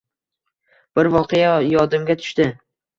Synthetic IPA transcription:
b̥ɪɾvɒqʰɨjajɒd̪ɪmɡʲat̪ʰʊ̥ʃt̪ɪ

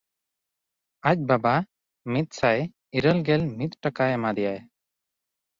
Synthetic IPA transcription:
ac̚baba | mit̪̚saj | iɾəlɡɛlmit̪̚ʈakaɛmad̪ɛjaj

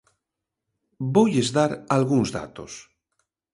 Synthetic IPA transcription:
bojezðaɾalɣuŋzða̰t̪o̰s

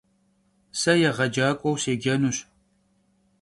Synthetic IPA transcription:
sɐjɛʁɐd͡ʒaːkʷʼɔwseːɡʲɐnuɕ

